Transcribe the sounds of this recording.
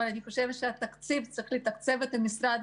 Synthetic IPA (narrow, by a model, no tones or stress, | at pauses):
alaniχo̞ʃevʃeat̪akt͡sivt͡siχlit̪akt͡se̞vet̪amisɾad̪